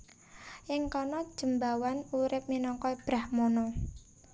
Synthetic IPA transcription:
ʔɪŋkɔnɔd̥ʒ̥ə̤mbawanuɾɪp̚minɔŋkɔib̥ɾahmɔnɔ

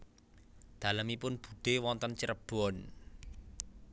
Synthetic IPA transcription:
d̪̥ä̤ləmipʊnb̥ṳd̪̥e̤wɔnt̪ənt͡ʃəɾəb̥ɔn

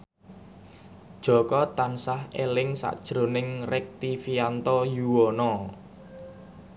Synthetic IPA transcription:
d̥ʒ̥ɔ̤kɔt̪ansahelɪŋsa̰ʔd̥ʒ̥ɾo̤nɪŋrɛk̚t̪ifiant̪ɔjuwɔnɔ

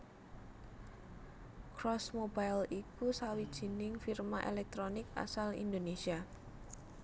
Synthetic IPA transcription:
kɾɔsmobajlikusawid̥ʒ̥i̤nɪŋfirmaʔḛlɛk̚t̪ɾonɪka̰salḭnd̪onesia

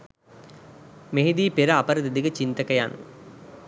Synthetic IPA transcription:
meɦid̪iːpeɾɐapɐɾɐd̪ed̪iɡət͡ʃint̪ɐkɐjanṵ

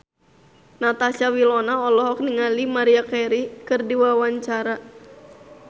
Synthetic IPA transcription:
nat̪asawilɔnaɔlɔɦɔk̚niŋalimaɾiakeɾikɨrdiwawaɲt͡ʃaɾa

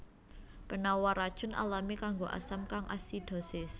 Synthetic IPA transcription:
pənawaɾad̥ʒ̥ʊnʔa̰lamikaŋɡoʔa̰samkaŋʔa̰sid̪̥ɔ̤sɪs

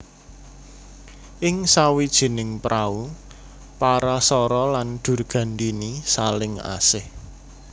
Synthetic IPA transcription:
ʔɪŋsawid̥ʒ̥i̤nɪŋpɾʔau | paɾasɔɾɔlanɖ̪̥ṳrɡ̥ä̤ndinisalɪŋa̰sɪh

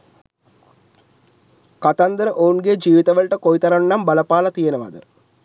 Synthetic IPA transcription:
kɐt̪ɐnd̪ɾɨʔoːɳɡed͡ʑiːʋiðɐʋɐɭʈːekojt̪ɐɾɐɳːɐmbɐlɐpːaːɭɐt̪ijɐnɐmɐ̰ðɨ̰

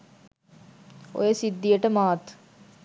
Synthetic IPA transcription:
o̰jəsid̪ːijəʈəmaːt̪

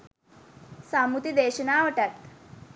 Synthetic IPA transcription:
samut̪id̪eːɕənaːʋəʈat̪

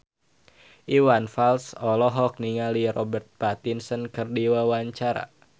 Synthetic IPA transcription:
ʔiwanfalsɔlɔɦɔk̚niŋalirɔbɛrt̪̚pat̪insənkərdiwawaɲt͡ʃaɾa̰

